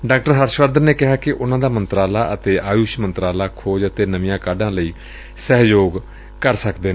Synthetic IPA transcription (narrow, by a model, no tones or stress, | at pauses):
ɖaːkʈəɾɦəɾʃʋəɾd̪ənneːkɪɦaːkɪʔʊnãːd̪aːmənt̪ɾaːlaːʔət̪eːʔaːjuːʃmənt̪ɾaːlaːkʰoːd͡ʒət̪eːnəʋɪjãːkaːɖãːləiː | sɛɦjoːɡ | kəɾsəkd̪eːnː